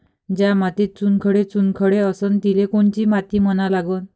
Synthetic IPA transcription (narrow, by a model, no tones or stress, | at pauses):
d͡ʑamat̪it͡sunkʰəɽet͡sunkʰəɽeəsənt̪ilekoɳt͡ɕimat̪imənalaɡon